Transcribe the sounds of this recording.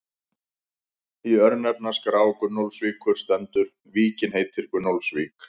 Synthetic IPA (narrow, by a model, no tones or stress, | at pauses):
iœɾnɛp̚naskɾaːwkʏnowlsviːkʰʏɾ̥st̪ɛnt̪ʏɾ | viːcɪnɦejt̪ʰɪɾkʏnowlsviːk